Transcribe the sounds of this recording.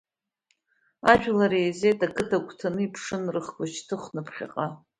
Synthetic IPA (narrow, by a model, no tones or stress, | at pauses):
aʒᶣʷlaɾeze̞jtʰʼakʰʼɨtʰakʷʰʼtʰanɨipʰʂɨnrɨχɡʷʼat͡ʃʰtʰɨχʷnɨpʰχʲa̰qʼa